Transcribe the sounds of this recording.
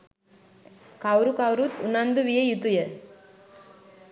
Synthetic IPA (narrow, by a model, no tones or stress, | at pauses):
kawɾukawɾut̪unand̪uʋijɐjut̪ujɐ